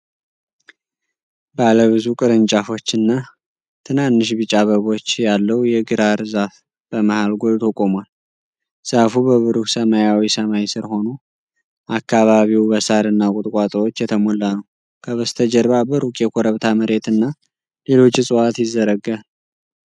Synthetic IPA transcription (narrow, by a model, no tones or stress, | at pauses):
bəaləβɨzukʼɨɾɨnt͡ʃʼafo̞t͡ʃːɨnːa | t̪ʰɨnanːɨʃ̬bɨt͡ʃʼːaβəβo̞t͡ʃːjalːəwjɛɡɨɾaɾzaf | b̥əmahalɡo̞lt̪ʰokʼomwal | z̥afubəβɨɾuhsəmajawisəmajsɨɾho̞no | ʔakːaβaβiwbəsaɾɨnːakʼʊt̪ʼkʼat̪ʼɾo̞t͡ʃːjɛt̪ʰəmolːanəw | kʰəβəst̪ʰəd͡ʒɛɾβabəɾukʼjɛkʰoɾəβt̪ʰaməɾe̞t̪ɨnːa | le̞lo̞t͡ʃːɪsʼɨwat̪jɪzːəɾəɡal